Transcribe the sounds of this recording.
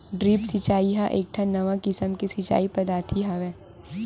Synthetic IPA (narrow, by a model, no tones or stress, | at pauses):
ɖɾiːpsɪt͡ʃaːiɦaʔeːk̚ʈʰãnɐʋãkɪsəmkisɪt͡ʃa̰ːipɐd̪aːt̪ʰiɦaʋɛ̃ː